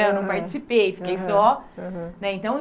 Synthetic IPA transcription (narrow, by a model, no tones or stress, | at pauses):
ẽwnɐ̃w̃paɾt͡ʃi̥sipejfi̥kejsɔ | nɛẽnt̪ɐ̃w̃